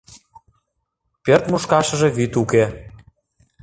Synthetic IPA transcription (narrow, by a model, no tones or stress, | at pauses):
pert̪muʃkɑʃɤ̆ʒĕβit̪uke